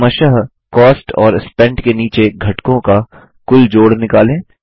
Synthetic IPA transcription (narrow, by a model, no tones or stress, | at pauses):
mɐʃəɦ | kɔːsʈɔːɾɪspɛ̃ɳɖkeniːt͡ʃeɡʱɐʈkõka | kʊld͡ʒoːɽnɪkaːlẽː